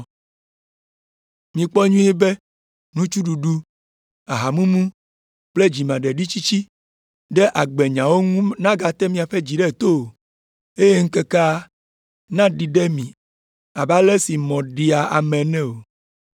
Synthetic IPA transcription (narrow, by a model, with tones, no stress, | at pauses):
mĩ˨k͡pɔ˦ɲũ˦e˦be˦ | nũ˦t͡ʃu˦ɖu˨ɖu˦ | a˨ɦa˨mũ˦mũ˦ | k͡ple˦d͡ʑi˨mã˨ɖɛ˨ɖi˦t͡ɕi˦t͡ɕi˦ | ɖɛ˦ʔa˨ɡ͡be˨ɲã˨wo˦ŋũ˦nã˦ɡa˨t̪ɛ˦mĩ˨a˨ɸe˦d͡ʑi˨ɖɛ˦˨t̪o˦˨ | e˦je˦ŋ̩˦ke˦ka˦ | nã˦ɖi˨ɖe˦mĩ˨ | a˨ba˦le˦si˨mɔ̃˨ɖi˨a˨a̰˨mɛ̃˨nɛ̃˦o˨